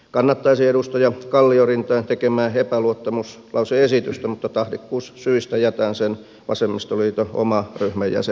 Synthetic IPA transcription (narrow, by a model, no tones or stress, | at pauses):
kɑnːɑt̪ːɑisieɾust̪ɑjɑkɑlːiorint̪ɑint̪ekemæːepæluot̪ːɑmus | lʔɑuseesit̪yst̪æmut̪ːɑt̪ɑhrikːuːssyist̪æjæt̪æːnsen | ʋɑ̰semːist̪oliːt̪oo̰mɑryhmæjjæ̰se